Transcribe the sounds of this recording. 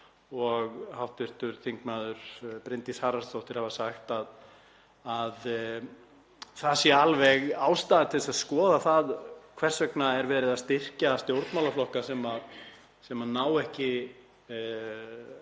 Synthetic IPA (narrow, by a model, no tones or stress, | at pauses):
ɔɣhawht̪vɪr̥t̪ʏɾθiŋkmaːðʏɾ̥pɾɪnt̪ishaːɾast̪owht̪ɪɾ̥havasaxt̪að | að | θasjɛalvɛɣaːwst̪aːðat̪ʰɪlsaðskɔːðaθaðkʰvɛr̥sœknaɛɾvɛːɾɪðast̪ɪr̥caast̪ɪowɾt̪mawlaflɔhkasɛma | sɛmanaːwɛhcɪ